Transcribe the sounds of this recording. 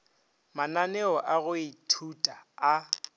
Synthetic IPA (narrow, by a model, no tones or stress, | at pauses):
mananɛɔʔaɣʊɪtʰutʼaː